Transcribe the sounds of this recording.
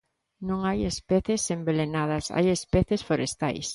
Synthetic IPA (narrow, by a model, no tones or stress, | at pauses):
nõŋajespɛθesembelenað̞ɐsa̰jespɛθesfoɾest̪a̰js